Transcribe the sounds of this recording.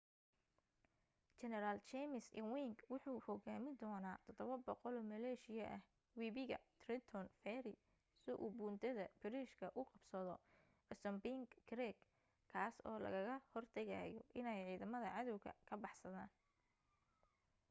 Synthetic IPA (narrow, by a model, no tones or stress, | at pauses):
t͡ʃɛnɛɾalt͡ʃɛmɪsɪ̰nwiŋɡwʊħuːhɔɣaːmɪd̪ɔːnaːt̪ʰɔd̪ɔβɐbɔqɔlɔːmɐlɛːʃɪjɐʔɐh | wiːβɪɣɐt̪ʰrɪt̪ʰɔnfɛɾɪ | sɪʔuːbuːnt̪ʰɐðɐbɪɾiːʃkʰɐʔʊqɑbsɐðɔ | ɛsɔmbiŋɡkɾɛɡ | kʰːaːsɔːlɐ̰ɣɐɣɐhɔrt̪ʰɐɣa̰ːjɔʔɪnɛjʕiːðɐmɐðɐʕɑðɔwɣʰɐ̰kʰɐbɑħsɐðaːn